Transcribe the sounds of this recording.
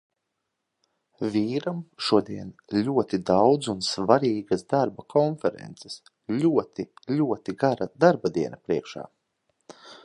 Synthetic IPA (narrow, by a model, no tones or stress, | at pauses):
vʲiːɾamʃuɔd̪iɛnlʲuɔt̪id̪awd̪zunsvaɾiːɡasd̪aɾbakʰɔnfɛɾɛ̰nt̪sɛ̥s | lʲuɔt̪ilʲuɔt̪iɡaɾad̪aɾbad̪iɛnapɾiɛkʃa̰ː